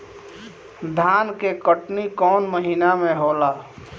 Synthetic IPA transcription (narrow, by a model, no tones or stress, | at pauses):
d̪ʱaːnkekəʈnikɔːnməɦinamẽɦoːlaː